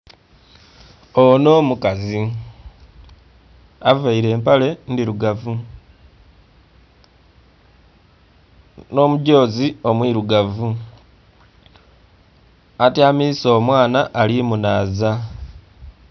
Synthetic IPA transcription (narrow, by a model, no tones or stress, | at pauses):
ono̞ːmukazi | avaiɾe̞ːmpale̞ndiɾuɡavu | no̞ːmuɟo̞ːzio̞mwiɾuɡavu | atjaːmiso̞ːmwaːnaʔːlimunaːza